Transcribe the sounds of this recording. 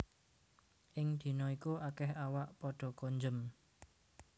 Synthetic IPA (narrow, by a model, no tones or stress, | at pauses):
ʔɪŋd̪̥i̤nɔikuakɛhawaʔpɔɖ̥ɔ̤koɲd͡ʒəm